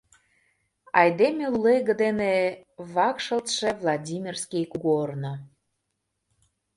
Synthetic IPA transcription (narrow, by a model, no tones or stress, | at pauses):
ɑjd̪emʲelːeɣə̆d̪eneβɑkʃə̆lt̪ʃevlˠɑdʲimʲirskʲijkuɡorno